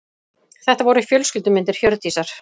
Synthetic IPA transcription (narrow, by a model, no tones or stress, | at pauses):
θɛht̪avɔɾʏifjœlscʏlt̪ʏmɪnt̪ɪɾ̥çœɾt̪iːsaɾ̥